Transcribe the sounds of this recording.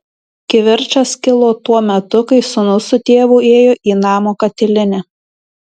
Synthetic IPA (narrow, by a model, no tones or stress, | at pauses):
kʲɪʋʲɪɾʲˑt͡ʃɐskʲɪlˠoːt̪uɔmʲɛt̪ʊkɐɪsʊnʊsʊt̪ʲeːʋuːeːjoːʔiːnɑːmoːkɐt̪ʲɪlʲɪnʲɛ